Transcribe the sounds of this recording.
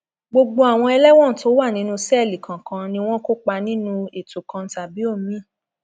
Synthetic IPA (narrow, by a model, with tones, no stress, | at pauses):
ɡ͡bo˧ɡ͡bo˧a˨w̃ɔ̃˧ɛ˧lɛ˦w̃ɔ̃˦˨to˨˦wa˦˨nĩ˨˦nũ˦sɛ˦˨li˨kã˨kã˧nĩ˧w̃ɔ̃˦ko˦k͡pa˧nĩ˦nũ˧e˨tu˨kã˧n̩˦ta˨bi˨˦o˦˨mĩ˦˨